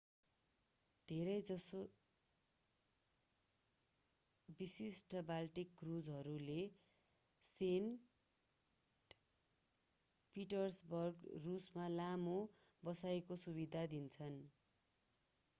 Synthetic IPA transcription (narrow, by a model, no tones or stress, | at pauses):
d̪ʱeɾʌjd͡zʌso | bisisʈʌbalʈikɡrud͡zɦʌɾule | sen | piʈʌrsbʌrɡrusmalamo | bʌsaekosubid̪ʱad̪int͡sʰʌn